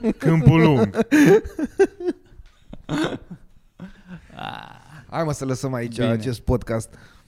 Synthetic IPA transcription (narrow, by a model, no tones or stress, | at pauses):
kɨmpɨluŋɡ | a̰ | a̰məsələsəmait͡ʃʲaːt͡ʃe̞st̪̚pod̪kast̪